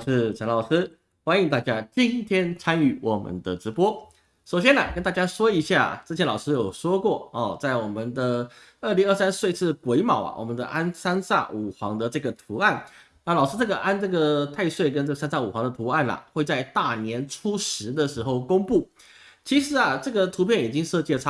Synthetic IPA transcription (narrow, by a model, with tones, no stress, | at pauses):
ʂɻ̩˥˩ʈ͡ʂʰa˧˥nlɑ˨˩ʊʂɻ̩˥ | xwa˥ni˧ŋt̪a˥˩t͡ɕja˥t͡ɕi˦˥nt̪ʰjɛ˥nt͡sʰa˥ny˥˩wɔ˨˩mə̰˧˦nd̪ə˨ʈ͡ʂɻ̩˧˥pwɔ˥ | ʂo˨˩ʊɕ̬jɛ˥nɐ˨˩kə˥nt̪a˥˩t͡ɕja˥ʂwɔ˥i˧˥ɕja˥˩ʈ͡ʂɤ˥˩t͡ɕʰjɛ˧˥nlɑ˨˩ʊʂɻ̩˥jo˨˩ʊʂwɔ˥kwɔ˥˩ɔ˨˩t͡sa˥˩ɪwɔ˨˩mə˨nd̪ə˧ | ə˥˩li˧˥ŋə˥˩sa˥nswe˥˧ɪʂɻ̩˥˩kwe˧˥ɪmɑ˨˩ʊɐ̰˩wɔ̰˨˩mə˧˦nd̪ə̰˧ʔa˥nsa˥nsa̰˥˩u˨˩xwɑ̰˧˥ŋd̪ə˧ʈ͡ʂɤ˥˩ɡə˩t̪ʰu˧˥a˥˩n | na˥˩lɑ˨˩ʊʂɻ̩˥ʈ͡ʂɤ˥˩ɡə˩ʔa˥nʈ͡ʂɤ˥˩ɡə˩t̪ʰa˥˧ɪswe˥˩ɪkə˥nʈ͡ʂɤ˥˩ɡə˩sa˥nsa˥˩u˨˩xwɑ˧˥ŋd̪ə˧t̪ʰu˧˥a˥˩nɐ̰˩xwe˥˧ɪt͡sa˥˧ɪt̪a˥˩njɛ˧˥nʈ͡ʂʰu˥ʂɻ̩˧˥d̪ə˨ʂɻ̩˧˥xo˥˩ʊkʊ˥ŋpu˥˩ | t͡ɕʰi˧˥ʂɻ̩˧˥ɐ˨ʈ͡ʂɤ˥˩ɡə˩t̪ʰu˧˥pʰjɛ˥˩ni˨˩t͡ɕi˥ŋʂɤ˥˧t͡ɕi˥˩˥